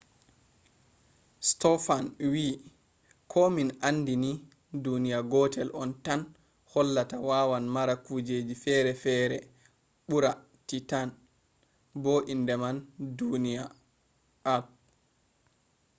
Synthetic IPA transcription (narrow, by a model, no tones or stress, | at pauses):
stɔfanwiː | kʰɔminandini | dunijaɡɔtʰɛlʔɔntan | hɔlːatawawanmaɾakud͡ʒeːd͡ʒifɛːɾɛfɛɾɛ | ɓuɾa | titan | boːʔindɛmandunija | al̚